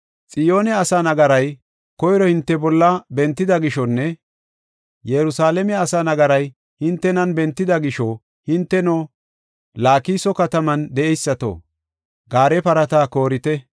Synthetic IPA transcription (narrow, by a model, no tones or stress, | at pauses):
t͡sʼɪjo̞ːnɛɐsanɐɡɐɾɐj | kɔjɾɔhɪnt̪ːɛbɔlːɐbɛnt̪ːɪd̪ɐɡɪʃɔnːɛ | jɛɾʊsaːlɛmɛɐsanɐɡɐɾɐj | hɪnt̪ːɛnɐnbɛnt̪ːɪd̪ɐɡɪʃɔ | hɪnt̪ːɛno | laːkiːsɔkɐt̪ɐmɐnd̪ɛʔɛjsːɐt̪o̰ | ɡaːɾɛpɐɾɐt̪aːko̞ːɾɪt̪ɛ